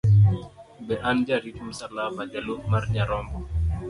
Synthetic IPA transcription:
bɛʔand͡ʒaɾit͡ʃumsalafad͡ʒalomaɾɲaɾɔmbɔ

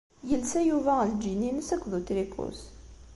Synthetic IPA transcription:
jəlsæjuvæəld͡ʒininsækʷːðut̪ɾikʰṵs

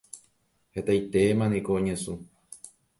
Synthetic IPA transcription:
het̪ajt̪emãnĩkoõɲẽsũ

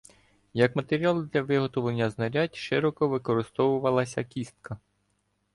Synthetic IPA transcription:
jɐkmɐt̪eɾʲialˠd̪lʲɐʋɪɦɔt̪ɔʋˠenʲːɐznɐɾʲatʲʃɪɾɔkɔʋɪkɔɾɪst̪ɔwʊʋɐlˠɐsʲɐkʲist̪̚kɐ

